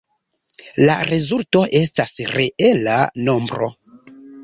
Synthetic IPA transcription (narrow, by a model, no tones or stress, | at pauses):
la̰ɾezulto̞ʔe̞stasreʔe̞lano̞mbɾo̞̰